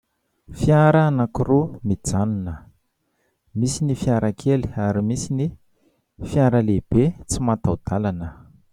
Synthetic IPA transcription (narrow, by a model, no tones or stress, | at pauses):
fjaɾaːnakurumid͡zanunə | misinifjaɾakʰeli̥aɾimisini | fiaɾəleb̥et͡simat̪awd̪̥alanə